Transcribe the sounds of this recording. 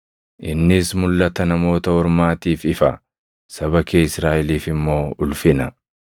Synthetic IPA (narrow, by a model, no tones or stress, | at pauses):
ʔɪnːɪsmʊlːɐt̪ɐnɐmo̞ːt̪ɐɔɾmaːt̪iːfɪfɐ | sɐbɐkeːɪsɾaːʔɪliːfɪmːo̞ːʊlfɪnɐ